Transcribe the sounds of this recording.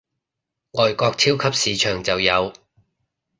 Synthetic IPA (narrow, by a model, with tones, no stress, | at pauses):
ŋɔː˨jkɔː˧k̚t͡sʰiː˥wkʰɐ˥p̚siː˨˧t͡ʃʰœː˨˩ŋt͡sɐ˨wjɐ˨˧w